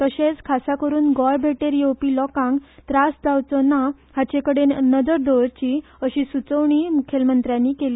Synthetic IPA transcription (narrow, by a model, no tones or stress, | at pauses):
t̪əɕẽt͡skʰasakəɾuːnɡɔjbʱeʈeɾiowpiːlɔkãŋɡt̪ɾasd͡zawt͡sɔna | hat͡ɕekəɽenəd͡zəɾd̪ɔɾt͡ɕi | əɕiːsut͡səʋɳimukʰelmənt̪ɾjãnːiːkeliː